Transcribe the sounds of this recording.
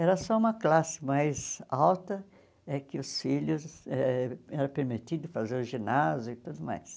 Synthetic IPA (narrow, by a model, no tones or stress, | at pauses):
ɛɾɐsɔũmɐklasɪ̥majzawt̪ɐ | ɛkɪʊsfiʎʊzɛɛɾɐpeɾmit̪id̪ʊfazeɾʊʒinazjʊɪt̪ud̪ʊma̰js